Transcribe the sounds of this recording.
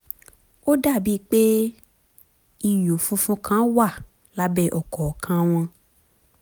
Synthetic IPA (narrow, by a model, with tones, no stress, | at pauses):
o˦da˦˨bi˦k͡pe˦ | i˦˨jo˨fũ˧fũ˧kʰã˦wa˦˨ | la˦bɛ˦ʔɔ˨kɔ˨kʰã˧˦w̃ɔ̃˧